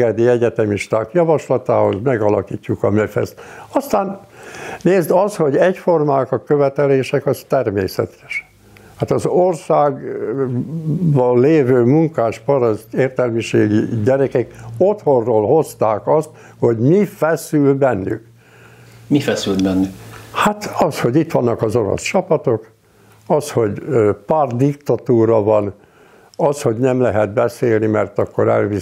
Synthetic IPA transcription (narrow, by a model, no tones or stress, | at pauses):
ɛd̪iɛɟɛt̪ɛmiʃt̪aːkjɒvɒʃlɒt̪a̰ːho̞̰zmɛɡɒlɒkiːcːukɒmɛfɛ̰st̪ɒst̪aːnneːzd̪ɒst̪ho̞ɟɛcfo̞rmaːkɒkøvɛt̪ɛleːʃɛkɒst̪ɛrmeːsɛ̰t̪ʰɛ̥ʃ | haːt̪ɒzorsaːɡ | bɒlːeːvøːmuŋkaːʃpɒɾɒzeːrt̪ɛlmiʃḛːɡiɟɛɾɛkɛko̞t̪ho̞rːoːlho̞st̪aːkɒst̪ | ho̞ɟmifɛsylbɛnːy̰k | mifɛsylbɛnːykhat̪ɒsho̞ɟit̪ʋɒnːɒkɒzo̞ɾo̰st͡ʃɒpɒt̪ok | ɒsho̞ɟpaːrd̪ikt̪ɒt̪uːɾɒvɒn | ɒsho̞ɟnɛmlɛɦɛd̪̚bɛseːlnimɛrt̪ɒkːoɾɛ̰lvi